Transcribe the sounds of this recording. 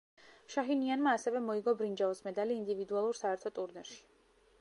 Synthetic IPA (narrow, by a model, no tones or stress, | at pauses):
ʃaɦinianmaːsɛvɛmɔiɡɔbɾind͡ʒavɔsmɛd̪aliːnd̪ivid̪ualˠuɾsaɛɾt̪ʰɔt̪ʼuɾnɛɾʃi̥